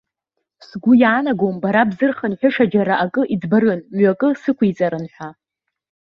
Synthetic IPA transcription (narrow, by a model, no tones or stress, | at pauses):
sɡʷʊjaːnaɡombaɾabzɨrχanħʷᶣʊʂad͡ʒaɾaʔakʼɨʔid͡zbarɨnmɥakʼɨsɨkʷʰijt͡sʼaɾɨnħʷᶣa